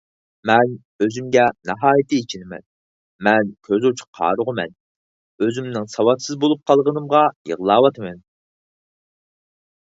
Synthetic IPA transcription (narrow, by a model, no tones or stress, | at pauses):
mɛn | øzymɡʲɛnɑɦɑːjit̪ʰɨit͡ʃʰinɪmɛ̰n | mɛnkʲʰøzut͡ʃʰʊ̥qʰɑ̰ːɾʊʁəmɛ̰n | øzymnɪŋsɑwɑt̪sɨzbolˠup̚qʰɑlˠʁənɨmʁɑjḭʁlˠɑːwɑt̪ʰɨmɛn